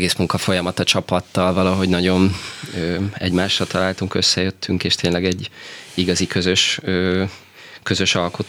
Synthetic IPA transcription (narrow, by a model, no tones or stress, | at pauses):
ɡeːsmuŋkɒfo̞jɒmɒt̪ɒt͡ʃɒpɒt̪ːɒlvɒlɒɦo̞ɟnɒɟo̞nøːɛ̰ɟmaːʃːɒlt̪ɒlaːlt̪uŋkø̞sːɛjøt̪ʰːyŋkeːʃt̪ʰeːnlɛɡɛɟːiɡɒzikø̞zø̞ʃøː | kø̞zø̞ʃɒlkot̪